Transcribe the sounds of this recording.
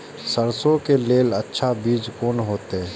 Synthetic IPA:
səɾsõkeleːlətːʃʰabiːd͡ʒkoːnɦoːt̪e

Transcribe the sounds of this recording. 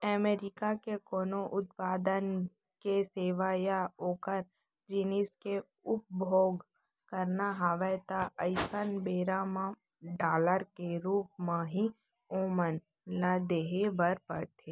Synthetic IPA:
əmeːɾɪkakekoːnoʔʊt̪̚paːd̪ən | keseːʋajaoːkəɾ | d͡ʒiːnɪske | ʊp̚bʱoːɡ | kəɾnaɦaːʋət̪aəɪsənbeːɾamã | ɖaːləɾkeɾuːp̚mãɦi | oːmən | lad̪eːɦebəɾpə̰ɽt̪ʰeː

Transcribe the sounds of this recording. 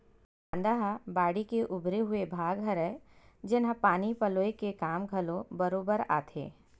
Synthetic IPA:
pãːnd̪aɦabaːɽikeʔʊbɾeɦʊebʱaːɡɦɐɾɛ | d͡ʒɪnɦãpaːnipɐloːekekaːmɡʱɐlõbɐɾoːbəɾa̰ːt̪ʰḛː

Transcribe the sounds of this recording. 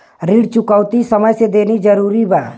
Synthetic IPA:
ɾiɽt͡ʃʊkəːt̪isəməjsed̪eːnid͡ʒəɾuːɾibaː

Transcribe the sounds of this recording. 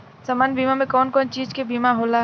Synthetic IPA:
saːmaːnbiːmamẽkɔːnkɔːnt͡ʃiːd͡ʒkebiːmaɦoːla

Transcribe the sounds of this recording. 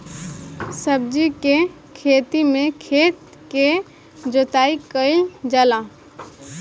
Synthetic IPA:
səb̚d͡ʒike | kʰet̪imẽkʰet̪ | ke | d͡ʒot̪aikəid͡ʒəla

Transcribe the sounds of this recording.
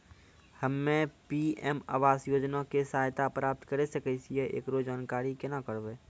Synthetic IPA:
həmːẽpiɛːma̰ːʋaːsjoːd͡ʒnakesaːɦt̪apɾaːp̚t̪kəɾesəkəɪsieʔḛːkɾod͡ʒaːnkaːɾikenakəɾʋeː

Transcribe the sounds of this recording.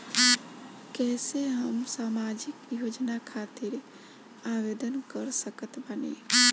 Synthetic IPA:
kɛseɦəmsamad͡ʒikjod͡ʒnakʰat̪iɾ | aʋed̪ənkəɾsəkət̪bənḛ

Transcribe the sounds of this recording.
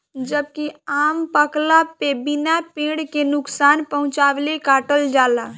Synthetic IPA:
d͡ʒəbkiaːmpəklapebɪnapẽːɽkenʊksaːnpəɦʊ̃t͡ʃaːʋlekaːʈəld͡ʒaːla

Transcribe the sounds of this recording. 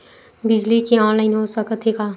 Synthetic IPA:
bɪd͡ʒlikiɔ̃ːnlaɪnɦoːsəkət̪eːɡaː

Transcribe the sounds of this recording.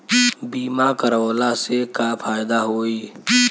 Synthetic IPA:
biːmakəɾəːlasekapʰaːɪd̪aɦoːiː

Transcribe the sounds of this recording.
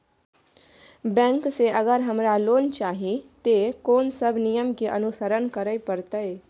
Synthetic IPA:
bɛ̃ːŋkseʔəɡəɾɦɐmɾaloːnt͡ʃaːɦit̪ekoːnsəbʱnijəmkeʔɐnusəɾənkəɾəipəɾt̪əj

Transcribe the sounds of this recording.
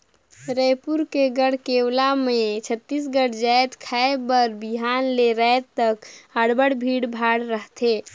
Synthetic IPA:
ɾəjpuɾkeɡəɽ̤keːwlamẽt͡ʃʰət̪ːiːs̬ɡəɽd͡ʒaːet̪kʰaebəɾbiɦaːnleɾəɪt̪əkəɽbəɽbʱiːɽbʱaːɽɾəɦt̪ʰeː

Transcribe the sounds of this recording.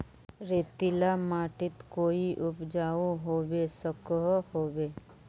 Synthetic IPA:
ɾeːt̪ɪlamaːʈɪt̪koːiʔʊpd͡ʒaːuɦoːwesəkɦhoːweː

